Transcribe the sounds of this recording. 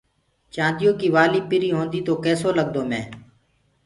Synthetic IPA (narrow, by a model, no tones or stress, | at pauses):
t͡ʃãːnd̪ɪjoːkiːʋaːliːpɪɾiːɦõːnd̪iːt̪oːkɛːsoːləɠ̚d̪oːmɛ̃ː